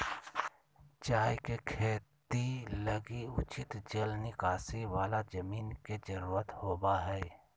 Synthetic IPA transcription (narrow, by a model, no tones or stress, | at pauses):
t͡ʃaːjkekʰeːt̪iləɡiʊt͡ʃɪt̪d͡ʒəlnɪkaːsiwaːlad͡ʒəmiːnked͡ʒəɾuːɾət̪hoːbaɦɛː